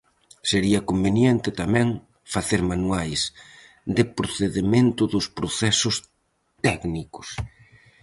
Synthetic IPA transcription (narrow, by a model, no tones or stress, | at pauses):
seɾiɐkombenjɛnt̪ɪt̪amɛ̃ŋ | faθeɾmanwajs | d̪ɪpɾoθeðemẽnt̪ʊðʊspɾoθɛsʊs | t̪ɛknikʊ̥s